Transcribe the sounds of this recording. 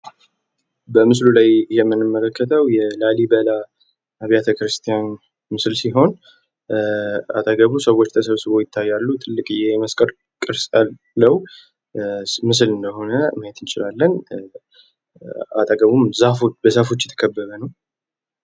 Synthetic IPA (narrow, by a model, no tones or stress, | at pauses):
bəmɨslulajjɛmːɨnːɨmːələkːət̪ʰəwjɛlalibəla | aβjat̪ʰəkɾɨst̪ʰijan | mɨslsiɦo̞n | a̰t̪ʼaɡəβusəwo̞t͡ʃːt̪ʰəsəβsɨβo̞jɪt̪ʰːajːalːut̪ʰʼɨlːɨkʼɨjːɛjɛməskʼəɾ | kʼɨɾsʼaː | əw | mɨs̬ɨlɨnd̪əɦo̞nəməjɛt̪ɨnt͡ʃɪlalːən | a̰t̪ʼaɡəβumzafobəzafo̞t͡ʃːjɛt̪ʰə̥kʰəbːəβənəw